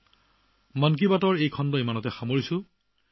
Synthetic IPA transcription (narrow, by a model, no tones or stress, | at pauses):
mank̬ibatɔɹejkʰɔndɔjmanɔtɛxamoɹisʊ̃